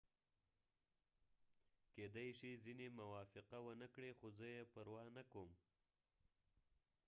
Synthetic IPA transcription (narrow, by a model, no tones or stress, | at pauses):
ked̪ajʃizinemawɑfɪqawənəkɽexozəjepəɾwɑnakom